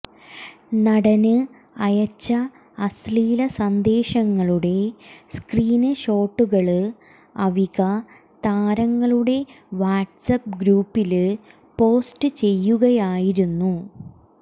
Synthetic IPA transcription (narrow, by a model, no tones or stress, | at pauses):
nɐɽɐnɨ | ɐjɐt͡ɕːɐ | ɐsliːlɐsɐnd̪e̞ːɕɐŋːɐɭuɽe̞skriːnɨɕo̞ːʈːuɣɐɭɨ | ɐʋiɣɐ | t̪aːɾɐŋːɐɭuɽe̞ | ʋaːʈsɐp̚ɡɾuːpːil | po̞ːstɨt͡ɕe̞jːuɣɐjaːjiɾunːu